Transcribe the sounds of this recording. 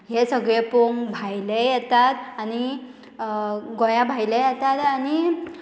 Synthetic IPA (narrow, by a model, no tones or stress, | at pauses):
ɦesəɡɭepoŋbʱajlejɛt̪at̪añi | ɡɔjabʱajləjɛt̪at̪añi